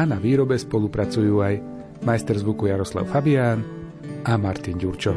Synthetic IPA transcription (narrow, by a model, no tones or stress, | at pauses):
anaʋiːɾɔbɛspɔlupɾat͡sujuːaj | majst̪ɛɾzʋukujaɾɔsla̰ʊfabiaːn | amaɾt̪inɟuɾt͡ʃɔ